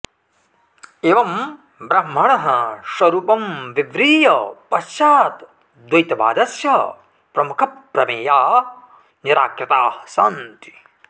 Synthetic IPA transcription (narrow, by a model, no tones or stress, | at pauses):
eːʋɐm | bɾɐm̤ːɐɳɐɦɐʃɐɾuːpɐmʋiʋɾiːjɐpɐsjaːt̪ | d̪wɐjt̪ɐba̰ːd̪ɐsjɐ | pɾɐmukʰɐpɾɐmeːjaː | niɾaːkɾɐt̪aːhsa̰ːnt̪i̥